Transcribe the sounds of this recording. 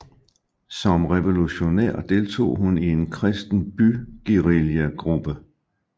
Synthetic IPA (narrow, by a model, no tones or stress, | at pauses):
sɒ̽mʁeʋo̝luɕo̝nḛɐ̰d̥e̝lt͡sʰo̝̰ːhunie̝nkʰʁɛsd̥n̩b̥yɡ̥iʁiljæɡ̥ʁub̥ə